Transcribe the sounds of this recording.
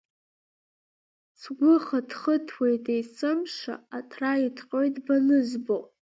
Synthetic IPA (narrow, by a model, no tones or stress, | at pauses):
sʰɡʷʊχadχətʰwejtʰʼejsʰʼɨmʂa̰atʰraitʰqʼojtʼbanɨzbo